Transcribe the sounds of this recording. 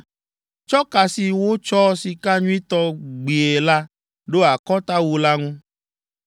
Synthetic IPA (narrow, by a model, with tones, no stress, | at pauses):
t͡ʃɔ˦ka˨si˨wo˦t͡ʃɔ˦si˨ka˦ɲũ˦i˦t̪ɔ˦ɡ͡bi˨e˨la˦ | ɖo˦a˨kɔ˦t̪a˦wu˦la˦ŋũ˦